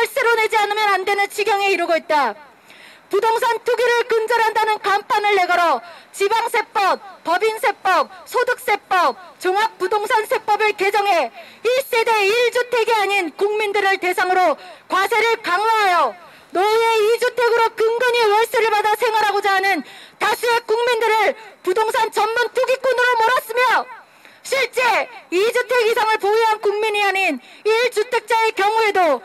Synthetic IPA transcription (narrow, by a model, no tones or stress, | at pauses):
wʌɭs͈eɾone̞d͡ʑianɯmjʌnandwe̞nɯnt͡ɕʰiɡjʌŋe̞iɾɯɡoit̚t͈a | pudoŋs̬ʰantʰuɡiɾɯɭkɯnd͡ʑʌɾɦandanɯnkampʰanɯɭːe̞ɡʌɾʌt͡ɕibaŋsʰe̞p͈ʌp̚p͈ʌbinsʰe̞p͈ʌp̚sʰodɯk̚s͈e̞p͈ʌp̚t͡ɕoŋak̚p͈udoŋsʰansʰe̞p͈ʌbɯɭke̞d͡ʑʌŋɦe̞is͈e̞de̞iɭd͡ʑutʰe̞ɡeaɲinkuŋmindɯɾɯɭte̞sʰaŋɯɾokwasʰe̞ɾɯɭkaŋwaɦajʌ | noieid͡ʑutʰe̞ɡɯɾokɯŋɡɯɲiwʌɭs͈eɾɯɭbadasʰe̞ŋwaɾɦaɡod͡ʑaɦanɯntasʰuek͈uŋmindɯɾɯɭpudoŋsʰant͡ɕʌnmuntʰuɡik͈onɯɾomoɾas͈ɯmjʌ | ɕʰiɭt͡ɕ͈e̞id͡ʑutʰe̞ɡisʰaŋɯɭpoiɦankuŋmiɲiaɲiniɭd͡ʑutʰe̞k̚t͡ɕ͈aekjʌŋue̞do